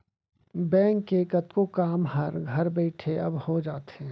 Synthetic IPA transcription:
bɛ̃ːŋkːekɐt̪kokaːmɦɐɾɡʱɐɾbɛːʈʰeɐbhod͡ʒaːt̪eɦɛ̃

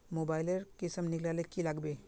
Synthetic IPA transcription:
mobajləɾkisəmniklalekilaɡbe

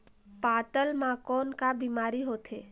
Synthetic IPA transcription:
paːʈ̪əlmãkɔːnkabiːmaːɾiɦoːt̪ɦeː

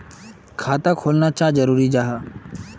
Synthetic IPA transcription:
kʰaːt̪akʰoːlnat͡ʃaːd͡ʒəɾuːɾid͡ʒaːɦaː

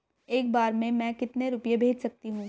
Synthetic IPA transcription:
eːk̚baːɾmẽmɛ̃kɪt̪neɾʊpjebʱeːd͡ʒsɐk̚t̪iɦũː

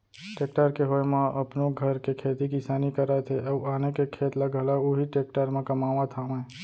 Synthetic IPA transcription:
ʈeːk̚ʈəɾkeɦoːjmãʔəpnoɡʱəɾkekʰeːt̪ikɪsaːnikəɾaːjt̪ʰeʔəuaːnekekʰeːt̪laɡəlauɦiʈeːk̚ʈəɾmãkəmaːʋãt̪ʰamãe

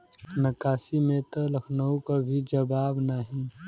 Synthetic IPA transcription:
nɐkaːsimẽt̪ɐlɐkʰnəũkabʱid͡ʒɐbaːbnaɦĩ

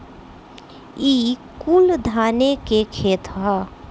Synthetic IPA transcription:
iːkuld̪ʱaːnekekʰeːt̪ʰɦa

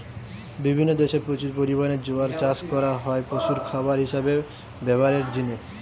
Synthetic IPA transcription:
bibʱinːod̪eʃeɾpɾot͡ɕuɾpoɾibaned͡ʑoaɾt͡ɕaskɔɾaɦɔepɾoʃuɾkʰabaɾɦiʃabe | bɛbaɾeɾd̪ine

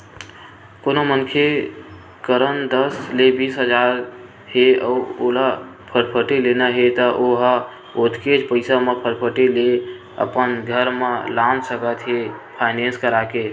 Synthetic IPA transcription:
konomənkʰe | kəɾənd̪əslebiːsɦəd͡ʒaɾ | ɦeɔolapʰəɾpʰəʈelenaɦet̪əʔoɦa | ot̪ʰked͡ʒpəɪsamẽpʰəɾpʰəʈele | ə̰pənɡʱəɾmelamsəkət̪ɦepʰaɪnenskəɾake

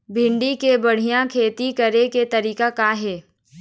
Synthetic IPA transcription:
bʱɪ̃ɳɖikebɐɽ̤ijãkʰeːt̪ikɐɾeket̪ɐɾiːkakaɦɛː

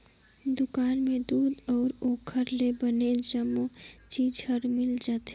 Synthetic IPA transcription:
d̪ʊkaːnmẽd̪uːd̪ɔːɾoːkʰəɾlebəned͡ʒəmot͡ʃiːd͡ʒhəɾmɪld͡ʒaːt̪e

